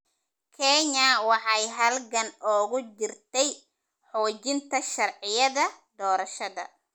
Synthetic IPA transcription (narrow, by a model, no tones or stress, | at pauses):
kʰɛɲɐwɑħɑjɦɐlɡɐnɔːɣʊd͡ʒɪrt̪ʰɛj | ħɔːt͡ʃɪnt̪ʰɐʃɐrʕɪjɐðɐd̪ɔːɾɐʃɐðɐ̰